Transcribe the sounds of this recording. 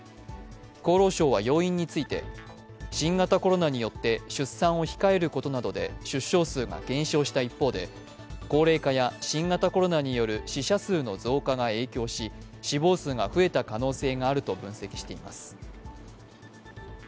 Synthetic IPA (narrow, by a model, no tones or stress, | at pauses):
ko̞ːɾo̞ːɕo̞ːβajo̞ːĩɲ̟ːit͡sɨit̪e̞̰ | ɕĩŋɡat̪ako̞ɾo̞naɲ̟ijo̞t̪ːe̞ɕɨsːãɰ̃o̞çi̥kae̞ɾɯ̟ko̞t̪o̞nad̪o̞d̪e̞̰ɕɨɕːo̞ːsɨːɡa̰ɡ̥ẽ̞ɰ̃ɕo̞ːɕi̥t̪aipːo̞ːd̪e̞̰ | ko̞ːɾe̞ːkajaɕĩŋɡat̪ako̞ɾo̞naɲ̟ijo̞ɾɯ̟ɕiɕasɨːno̞zo̞ːkaɡae̞ːkʲo̞ːɕi | ɕibo̞ːsɨːɡaɸɯ̟e̞t̪akano̞ːse̞ːɡaːɾɯ̟t̪o̞bɯ̟̃ɰ̃se̞kʲi̥ɕi̥t̪e̞imasɨ̥